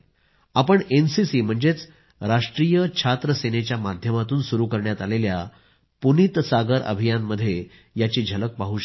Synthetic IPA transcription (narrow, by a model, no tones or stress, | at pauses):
apəɳensisiːm̤əɳd͡zet͡s | ɾaʂʈɾijət͡ɕʰat̪ɾəsenet͡ɕjamad̪ʱjəmat̪uːnsuɾukəɾɳjat̪alelja | punit̪saɡəɾə̰bʱijanməd̪ʱːje | jat͡ɕiːd͡ʑʱələk̚paɦuːɕ